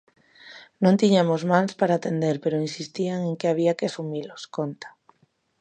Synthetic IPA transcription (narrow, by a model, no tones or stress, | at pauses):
nõnt̪iɲamozmanspaɾaːt̪end̪eɾpeɾoinsist̪iaŋeŋkeaβ̞iakɪasumiloskont̪ḁ